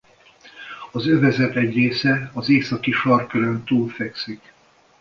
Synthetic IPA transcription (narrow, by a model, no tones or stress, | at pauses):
ɒzøvɛzɛt̪ɛɟreːsɛɒzeːksɒkiʃɒrkøɾønt̪uːlfɛksik